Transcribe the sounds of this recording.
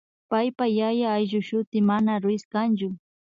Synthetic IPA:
pajpajajaːjʒʊʃʊt̪ɪmanaɾʊɪskant͡ʃʊ

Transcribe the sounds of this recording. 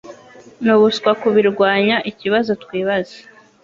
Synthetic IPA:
nuβuskwakuβiɾɡwaːɲaʔiciβazo̞tkwiːβaze̥

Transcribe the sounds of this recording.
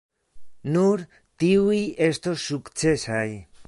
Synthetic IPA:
nuɾ | t̪iuje̞st̪o̞sːukt͡se̞saj

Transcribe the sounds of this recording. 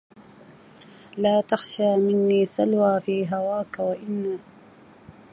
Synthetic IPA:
laːt̪axʃaːmɪnːiːsalwaːfiːɦawaːkawaʔɪnːaː

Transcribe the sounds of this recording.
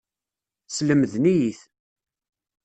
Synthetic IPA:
sləmðnijiθ

